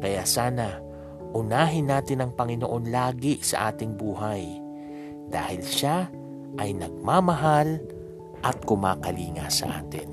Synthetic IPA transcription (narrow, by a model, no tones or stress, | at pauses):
kɐjaːsaːnɐ | ʔʊnaːɦɪnːaːt̪ɪnɐŋpɐŋɪnoʔo̞nlaːɡɪsɐ̰ʔaːt̪ɪŋbuːɦaj | d̪̥a̰ːhɪlʃa | ʔɐjnɐɡ̚maːmɐɦal | ʔɐt̪̚kʊma̰ːkɐliːŋɐ̰sɐ̰ʔa̰ːt̪ɪ̰n